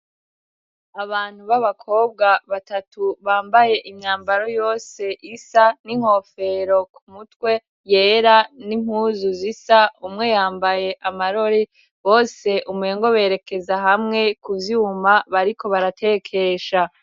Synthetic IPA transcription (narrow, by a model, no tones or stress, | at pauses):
aβaːn̥huβaβakʰo̞ːb̚ɡaβatatuβaːmbaje̞ʔimɲaːmbaɾo̞jo̞ːse̞ʔisaniŋho̞fe̞ɾo̞kʰumutwe̞ | jeːɾanimhuːzuzisaumŋe̞jaːmbaje̞ʔamaɾo̞ɾi | βo̞ːse̞ʔumue̞ːŋɡo̞βe̞ːɾe̞ke̞zaɦamŋe̞kuvjumaβaɾikʰo̞βaɾatʰe̞ːkʰe̞ʃa